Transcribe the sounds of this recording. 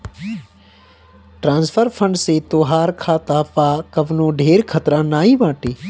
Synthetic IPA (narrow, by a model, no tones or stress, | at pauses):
ʈɾãːnsfʰəɾpʰə̃ɳɖset̪oːɦaːɾkʰaːt̪aːpaːkɐʋnõːɖʱeːɾkʰət̪ɾãːnaːiːʋãːʈeː